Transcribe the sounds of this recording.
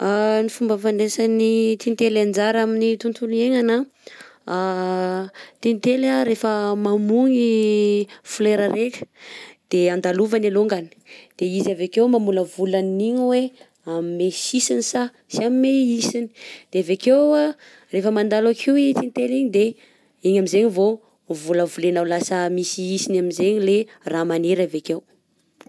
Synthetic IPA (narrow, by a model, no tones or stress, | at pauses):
anifumbəfanesanit̪int̪eland͡ʒaɾaminit̪unt̪ʰunieŋana | a | t̪init̪elaɾefəmamuŋi | fuleɾaɾekʲə̥d̪̥eand̪aluvanaluŋɡani̥d̪̥eizavekewmamuləvulaniɲwe | amimesisinisa | siammeisini̥d̪̥eavekew | refəmand̪alakʰiit͡sint̪eliɲid̪e | iɲamizeɲivo | vuləvulenawlasəmisiisinamizeɲile | ramaneɾavekew